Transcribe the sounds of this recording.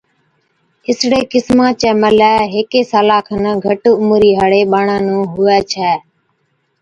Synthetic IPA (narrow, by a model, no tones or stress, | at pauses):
ɪsɽeːkɪsmãːt͡ʃɛːməlɛːɦeːkeːsaːlaːkʰənəɡʱəʈːʊmʊɾiːɦəɽeːɓaːɳãːnũːɦʊɛːt͡ʃʰɛː